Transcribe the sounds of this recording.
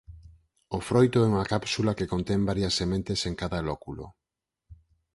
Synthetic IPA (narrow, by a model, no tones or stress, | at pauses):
ofɾojt̪oɛuŋakapsulakekont̪ɛmbaɾjɐsːemẽnt̪eseŋkaðalɔkulo̰